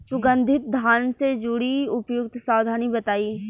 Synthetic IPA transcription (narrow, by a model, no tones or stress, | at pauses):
sʊɡə̃nd̪ʱɪt̪̚d̪ʱaːnsed͡ʒʊɽiʊpjʊk̚t̪ʰsaːwd̪ʱaːnibɐt̪aːiː